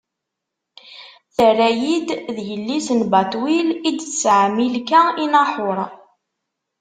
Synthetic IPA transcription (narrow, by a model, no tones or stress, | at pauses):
θərːæjid̪ðjəlːisənbɑt̪wilid̪t͡sːʕmilkæinɑħʊɾˤ